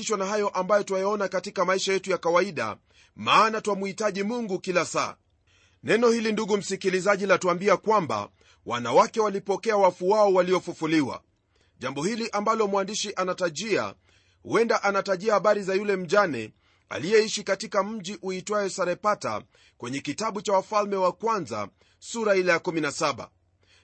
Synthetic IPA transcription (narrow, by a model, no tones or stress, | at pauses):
iʃwanahajɔʔambajɔtwajaɔnakatikamaiʃajɛtujakawaiɗa̰ | maːnatwamuhitaʄimuŋɡukilasa̰ː | nɛnɔhilinduɡum̩sikilizaʄilatuambiakwamba̰ | wa̰nawakɛwalipɔkɛawafuaɔwaliɔfufuliwa̰ | ʄambɔhiliʔambalɔmwandiʃiʔanataʄia̰ | hṵɛndaʔanataʄiahaɓaɾizajulɛm̩ʄanɛ̰ | a̰lijɛiʃikatikam̩ʄiʔuitwaɛsaɾɛpata̰ | kwɛɲɛkitaɓut͡ʃawafalmɛwakwanza̰ | suɾailɛjakuminasaɓa̰